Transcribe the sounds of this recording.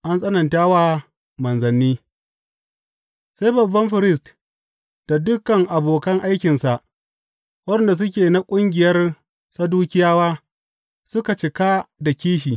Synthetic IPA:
ʔa˦nsʼɐ˦nɐ˨ntaː˦waː˨ | mɐ˨nzɐ˨nːiː˦ | sa˦jbɐ˨bːɐ˦mɸɪ˨ɾɪ˦s̬t | d̥a˨dʊ˦kɐ˨ŋʔa˨boː˨kɐ˦ŋʔa˦jkʲɪ˨nsa˨ʔ | wɐ˦dɛ˨nda˨s̬ʊ˦k̬ʲeː˨na˦kʷʼʊ˦ŋɡʲɪ˨jɐ˦r | sa˦duː˦kʲɪ˦jaː˦waː˦ | sʊ˦ka˨t͡ʃɪ˨kaː˦da˨kʲiː˦ʃ̬iː˨

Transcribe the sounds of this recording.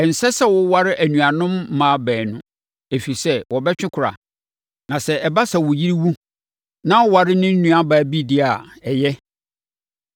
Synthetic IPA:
ɛ˨n̩˨sɛ˦sɛ˦wʊ˦wa˦ɾɪ˦ʔæ˨nũ˨a˨nʊ̃˦m˦mã˨˦bɛː˨nʊ̃˨ | e˨fi˨sɛ˦wɔ˨bɛ˦t͡ɕᶣɪ̃˦kʷʰʊ˨ɾa̰˨ | nã˨sɛ˨ɛ˨ba˦sɛ˨wʊ˨ji˦ɾi˦wu˦ | nã˦wa˨ɾɪ˦nɪ̃˦n̩˦nũ˨a˦baː˨bi˦dɪ˦a˨ɛ˨jɛ˦

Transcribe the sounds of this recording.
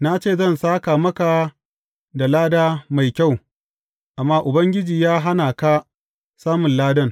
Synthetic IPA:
na˦t͡ʃeː˦˨zɐ˦˨nsaː˦ka˨mɐ˦ka˨ | da˨laː˦daː˦ma˨jkʲa˦˨w | ʔa˨mːaː˦ʔʊ˨bɐ˦ŋɡʲɪ˦d͡ʒiː˨jaː˦ɦa˦naː˨kaː˦ | saː˦mʊ˨nlaː˦dɐ˦n

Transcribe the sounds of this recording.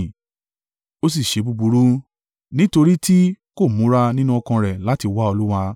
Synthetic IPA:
o˦s̬i˦˨ʃe˨˦bu˧bu˧ɾu˦ | nĩ˦to˧ɾi˦ti˦ | ko˦˨mũ˨˦ɾa˧nĩ˦nũ˦ɔ˧kã˧ɾɛ˨la˨˦ti˧wa˦o˧lu˦wa˧

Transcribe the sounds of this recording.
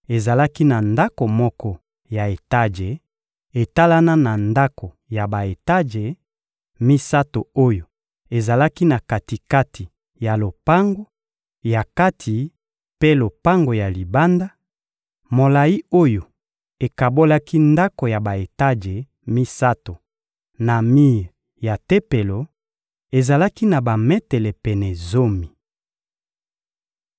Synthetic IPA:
e˨za˨la˦ki˦na˨nda˦ko˨mɔ˦kɔ˦ | ja˨e˨ta˦ʒe˨ | e˨ta˦la˦na˦na˨nda˦ko˨ | ja˨ba˨e˨ta˦ʒe˨ | mi˦sa˦to˨o˦jo˨ | e˨za˨la˦ki˦na˨ka˨ti˨ka˦ti˨ | ja˨lo˨pa˦ŋɡo˦ | ja˨ka˦tʰi˨ | pe˦lo˨pa˦ŋɡo˨ja˨li˨ba˦nda˦ | mo˨la˨ji˦o˦jo˨ | e˨ka˨bo˦la˦ki˦nda˦ko˨ja˨ba˨e˨ta˦ʒe˨ | mi˦sa˦to˨ | na˨mi˦ʁ | ja˨te˦pe˨lo˨ | e˨za˨la˦ki˦na˨ba˨mɛ˦tɛ˨lɛ˨pɛ˨nɛ˨zo˦mi˨

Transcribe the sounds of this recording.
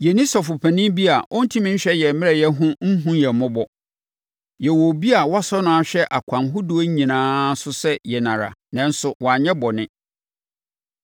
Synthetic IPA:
jɛ˨nĩ˦sɔ˨fʊ˨pʰæ˨nĩ˦bi˦a˨ʔɔ˦n̩˦tʰĩ˦mĩ˦ɲ̩˦ɕᶣɛ˦jɛ˨mɪ̃˦ɾɛ˦˨jɛ˦ɦʊ̃˦n̩˦ɦũ˦jɛ˨mʊ̃˦bɔ˨ | jɛ˨wo˨bi˦a˨wɔ˦a˦sɔ˦nʊ̃˦a˨ɕᶣɛ˦ʔa˨kʷʰã˨nɦʊ˦du˦o˦ɲ˦ɲĩ˨nãː˦sʊ˦sɛ˦jɛ˨nã˨ɾa̰˨nã˨n̩˦sʊ˨wʔɔ˨a˨ɲɛ̃˦bɔ˨nɪ̃˦

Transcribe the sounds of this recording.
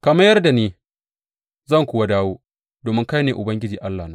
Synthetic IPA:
kɐ˨mɐ˦jːɐ˦rda˨neː˦ | zɐ˦˨ŋkʷʊː˨wa˦daː˦woː˦ | doː˨mɪ˦ŋka˦jneː˨ʔʊ˨bɐ˦ŋɡʲɪ˦d͡ʒiː˨ʔa˦lːaː˨na˦

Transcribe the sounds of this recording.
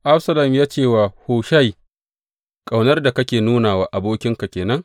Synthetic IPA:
ʔa˦ɸsɐ˦la˨mjaː˦t͡ʃeː˦˨waː˨hoː˨ʃa˦j | kʼa˨wnɐ˦rda˨kɐ˦kʲeː˨nuː˦naː˨waː˦ʔa˨boː˦kʲɪ˦ŋka˨kʲeː˨nɐ˦ŋ

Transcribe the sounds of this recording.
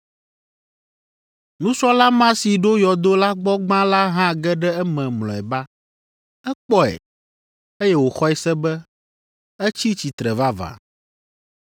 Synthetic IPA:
nũ˦sɔ˦la˦mã˦si˨ɖo˦jɔ˨d̪o˦la˦ɡ͡bɔ˦ɡ͡bã˦la˦ɦã˦ɡɛ˦ɖɛ˦ɛ˦mɛ̃˨mlɔ̃˨ɛ˨ba˦ | ɛ˦k͡pɔ˦ɛ̰˨ | e˦jɛ˦wo˨xɔ˦ɛ˦sɛ˦bɛ˦ | ɛ˦t͡ɕi˦t͡ɕi˨t̪ɾɛ˨va˦va̰˨

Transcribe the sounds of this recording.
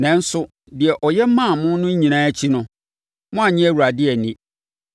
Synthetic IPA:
nɛ̃˨˦n̩˦sʊ˦ | dɪ˨ɛ˨ʔɔ˨jɛ˦mã˦˨mʊ̃˦nʊ̃˦ɲĩ˨nãː˦æ˦t͡ɕʰi˦nʊ̃˦ | mʊ̃˦a˨ɲɪ̃˦æ˦˨wu˨ɾa˨dɪ˦ɛ˨nĩ˦

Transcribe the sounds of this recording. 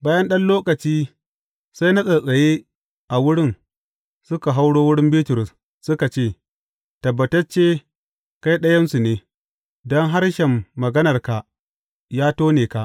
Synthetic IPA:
baː˦jɐ˦nɗɐ˦nloː˦kɐ˨t͡ʃiː˦ | sa˦jna˦sʼɐ˨sʼɐ˨jeː˦ | ʔa˨wʊ˦ɽɪ˦n | sʊ˦ka˨ɦa˦wɽoː˦wʊ˦ɽɪ˦mbiː˦tʊ˨ɾʊ˨s | sʊ˦ka˨t͡ʃeː˦˨ | tɐ˨bːɐ˨tɐ˦t͡ʃeː˦ | ka˦jɗɐ˦jɐ˦nsu˨neː˨ | dɔ˦ŋɦa˦rʃɛ˨mːɐ˨ɡɐ˦nɐ˨rka˨ʔ | jaː˦toː˦neː˨ka˨ʔ

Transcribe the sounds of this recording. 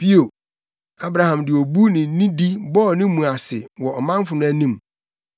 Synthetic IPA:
pi˦o˨ | a˦bɾa˨hã˨mdɪ˨o˨bu˦nɪ̃˨˦nĩ˦di˦bɔ˦˨nĩː˦ũ˨a˨sɪ˨wɔ˨ɔ˨mã˦m˦fʊ˨nʊ̃˦æ˦nĩ˦m˨

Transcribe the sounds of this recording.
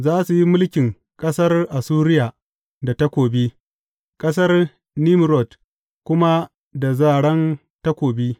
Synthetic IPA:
zaː˦su˨ji˦mʊ˦lkʲɪ˨ŋ | kʼɐ˦sɐ˦rʔa˨suː˦ɾɪ˦jaː˨ | da˨ta˦kʷoː˨bi˦ | kʼɐ˦sɐ˦r | ni˦m˨ɾɔ˨t | kʷʊ˦ma˦ | da˨zaː˦˨ɽɐ˦n | ta˦kʷoː˨bi˦

